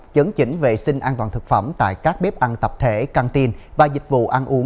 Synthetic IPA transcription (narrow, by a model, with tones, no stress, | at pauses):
t͡ɕə˨˦ŋt͡ɕï˧˦ŋ̟ve˨˩sï˧ŋ̟ʔaː˧nt̪waː˨˩nt̪ʰk̚fə˧˩ŋ͡mt̪a̰ː˧˨jkaː˦˥k̚ɓe˦˥p̚ʔa˧nt̪ə˨˩p̚t̪ʰe˧˩ka˧ŋt̪i˧ənvaː˨˩zï˨˩k̟̚vṵ˧˨ʔa˧nʔu˨˦ə